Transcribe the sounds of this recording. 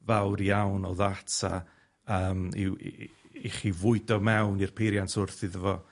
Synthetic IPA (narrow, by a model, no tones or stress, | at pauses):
vawɾjawnɔðatʰa̰ | əːmḭ | iχivʊɨdɔmɛwnirpʰejɾjantʰʊrθɪðəvɔ